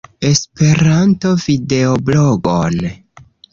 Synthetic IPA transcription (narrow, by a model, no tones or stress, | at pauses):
e̞spe̞ɾanto̞vide̞obloɡo̰n